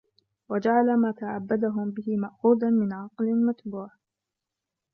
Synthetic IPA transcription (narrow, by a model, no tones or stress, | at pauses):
wad͡ʒaʕalamaːt̪aʕabːad̪aɦʊmbɪɦɪmaʔxuːd̪anmɪnʕɑqlɪlmat̪buːʕ